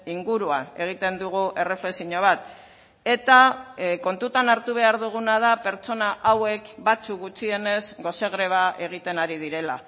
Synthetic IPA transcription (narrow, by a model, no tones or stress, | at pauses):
iŋɡuɾuane̞ɣ̞it̪e̞nd̪uɣ̞uʔe̞re̞fle̞siɲo̞β̞at̪ | e̞t̪ako̞nt̪ut̪anaɾt̪uβ̞e̞aɾðuɣ̞unað̞ape̞ɾt͡so̞naʔawe̞kbat͡sukɡut͡sie̞ne̞zɡo̞se̞ɣ̞ɾe̞β̞aʔe̞ɣ̞it̪e̞naɾið̞iɾe̞la